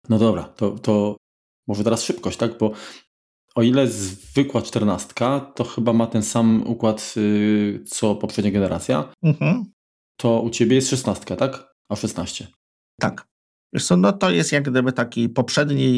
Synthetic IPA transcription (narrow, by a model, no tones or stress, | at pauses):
nɔt̪ɔd̪ɔbɾa̰t̪ɔt̪ɔ | mɔʐɛt̪ɛɾasʂɘp̚kɔɕt͡ɕt̪aɡbɔ | ɔilɛzvɘkwat͡ʂt̪ɛɾnast̪kat̪ɔxɘbamat̪ɛnsamṵkwat̪ | t̪sɔpɔpʂɛd̪̚ɲaɡɛnɛɾat̪sʲja̰m̩hm̩ | t̪ʰɔut͡ɕebʲjɛjɛst̪ʂɛsnast̪kat̪ak | aʂɛsnaɕt͡ɕɛ | t̪akʲ | ɛ̰ʂsɔnɔt̪ɔjɛst̪jaɡɡd̪ɘbɘt̪akʲipɔpʂɛd̪ɲi